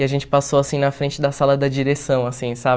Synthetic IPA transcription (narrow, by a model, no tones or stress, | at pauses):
ɪaʒẽnt͡ʃɪ̥pasowasĩnɐfɾẽnt͡ʃɪd̪ɐsalɐd̪ɐd͡ʒiɾesɐ̃w̃asĩsab